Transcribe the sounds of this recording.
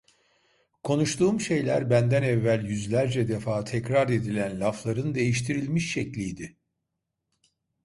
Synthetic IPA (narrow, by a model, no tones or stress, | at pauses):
kʰo̞nuʃt̪ʰuːmʃe̞jlʲæɾbænd̪ænɛvːælʲjyzlʲæɾd͡ʒɛd̪efaːt̪ʰɛcɾaɾe̞d̪ilʲænlʲaflˠaɾɯnd̪e̞jiʃt̪ʰiɾilʲmiʃːɛclʲijd̪ɪ